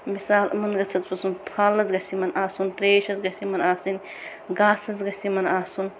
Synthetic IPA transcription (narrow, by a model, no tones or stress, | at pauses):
misaːlmɐnɡɐt͡sʰɐt͡spɐsunpʰaːlːɐzɡɐsimɐnaːsuntɾeːʃɐzɡɐsimɐnaːsin | ɡaːsɐzɡɐsʲimɐnaːsun